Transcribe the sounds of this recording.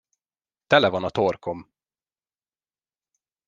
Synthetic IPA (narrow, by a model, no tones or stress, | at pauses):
t̪ɛlɛvɒnɒt̪oːrkʰom